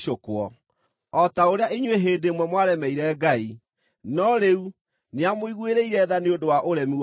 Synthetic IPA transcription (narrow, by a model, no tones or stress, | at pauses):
okwɔ | ɔtaoɾeaiɲweɦeːdemwɛmwaɾɛmɛiɾɛɡai | nɔɾeu | neamoiɣweɾeiɾɛðaneondowaʔoɾɛmi